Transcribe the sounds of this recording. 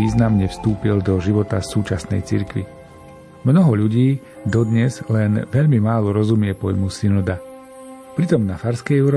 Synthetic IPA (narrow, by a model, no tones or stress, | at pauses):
iːznamɲɛfst̪uːpild̪ɔʒiʋɔt̪asuːt͡ʃasnɛ̰jt͡sḭɾkʋḭ | mnɔɦɔʎuɟiː | d̪ɔd̪ɲɛzlɛnʋɛʎmimaːlɔɾɔzumɪɛpɔjmusinud̪a | pɾit̪ɔmnafaɾskɛjɛʊɾɔ